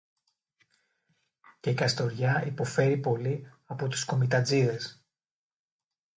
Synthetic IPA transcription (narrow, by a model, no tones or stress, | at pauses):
ce̞ikɐst̪o̞ɾʝɐipo̞fe̞ɾipo̞liɐpo̞t̪u̥sko̞mit̪ɐd͡ziðe̞s